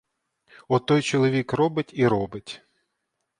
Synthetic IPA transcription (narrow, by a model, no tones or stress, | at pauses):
ɔt̪ɔjt͡ʃɔlˠɔʋʲikrɔbɪtʲiɾɔbɪtʲ